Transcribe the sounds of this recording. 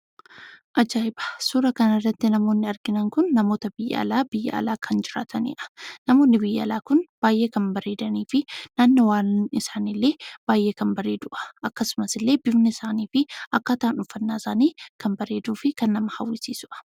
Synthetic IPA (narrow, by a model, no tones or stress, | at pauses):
ʔɐd͡ʒaːɪbɐ̥suːɾɐkɐnɐrːɐt̪ːɪnɐmo̞ːnːɪɐɾɡɪnɐŋkʊnːɐmo̞ːt̪ɐbɪjːɐ̰ɐ̰laːbɪjːɐ̰ɐ̰laːkʰɐnd͡ʒɪɾa̰ːt̪ʰɐnḭːʔɐ̥nɐmo̞ːnːɪbɪjːɐɐlaːkʊnb̥aːjʔe̞ːkɐnbɐɾe̞ːd̪ɐniːfɪnaːnːɐwaːnɪsaːnilːe̞ːb̥aːjʔe̞ːkɐmbɐɾe̞ːd̪ʊʔɐ̥ʔɐkːɐsʊmɐsɪlːe̞ːbɪbnɐɪsaːniːfɪʔɐkːaːt̪aːnʊfːɐnːaːɪsaːniːkɐmbɐɾe̞ːd̪uːfɪkɐnːɐmɐhɐ̰wːɪsiːsʊʔɐ̥